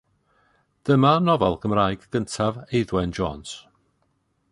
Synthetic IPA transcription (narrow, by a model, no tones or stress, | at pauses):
d̥əmanɔvɛlˠɡəmraːjɡ̥ɡəntʰavejðwɛnd͡ʒɔːns